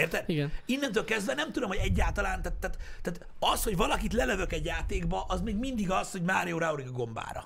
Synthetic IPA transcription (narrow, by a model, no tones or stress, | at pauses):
eːrt̪ɛd̪iɡɛinːɛnt̪øːlkɛzd̪vɛnɛmt̪ud̪o̞mho̞ɟɛɟːaːlt̪ɒlaːnt̪at̪ːaːt̪t̪ːaːt̪ | ɒsho̞ɟvɒlɒkit̪lɛløvøkɛɟjaːt̪eːɡbɒʔɒzmeːɡmind̪iɡɒsho̞ɟmaːɾijoːɾauɾikɒɡo̞mba̰ːɾɒ̰